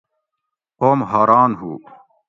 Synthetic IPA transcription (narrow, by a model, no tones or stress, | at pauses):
qoːmɦaːɾɑːnɦṵː